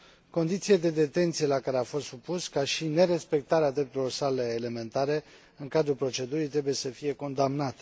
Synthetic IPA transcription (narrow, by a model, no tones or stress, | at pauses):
ko̞nd̪it̪sied̪e̞d̪e̞t̪e̞nt̪sije̞lakaɾeafo̞st̪supuskaʃine̞ɾe̞spe̞k̚t̪aɾead̪ɾe̞p̚t̪uɾelo̞rsale̞ːle̞me̞nt̪aɾe̞ | ɨŋkad̪ɾulpɾo̞t͡ʃe̞d̪uɾit̪ɾe̞buje̞səfije̞ko̞nd̪amnat̪